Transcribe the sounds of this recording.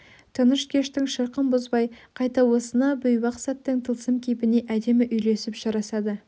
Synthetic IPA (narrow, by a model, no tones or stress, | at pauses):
t̪ʰənəʃkʲʰe̞ʃt̪ɪŋʃəɾqəmbozbɑjqʰɑjt̪ɑwo̞sənɑbʏjmɑqsɑt̪ːəŋt̪ʰəlˠsəmkʲʰejpɪne̞ʔæd̪e̞mɪʔʏjle̞sɪpʒ̥ɑɾɑsɑd̪ə